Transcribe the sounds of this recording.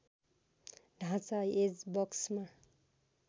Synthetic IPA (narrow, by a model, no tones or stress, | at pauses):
ɖʱãt͡sajed͡zbʌksma